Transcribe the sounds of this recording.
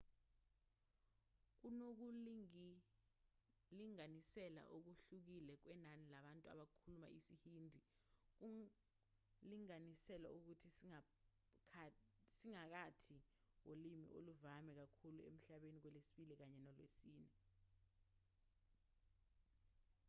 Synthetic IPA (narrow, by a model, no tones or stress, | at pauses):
k̬unok̬u | liŋanisɛla̰ʔok̬uɬuk̬ilɛk̬wɛnanilaɓantʼua̰ɓakʰuluma̰isihiːndʱik̬u | liŋanisɛla̰uk̬utʰi | siŋak̬atʰi | wolimḭʔo̰luvamɛk̬akʰuluem̩ɬaɓenik̬wɛlesi̥ɓilik̬aɲɛnɔlwesiːnɛ